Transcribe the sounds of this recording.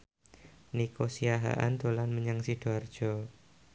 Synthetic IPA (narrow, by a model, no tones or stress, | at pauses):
nikosiaɦa̰ʔa̰nd̪̥o̤lanməɲaŋsid̪̥oard̥ʒ̥ɔ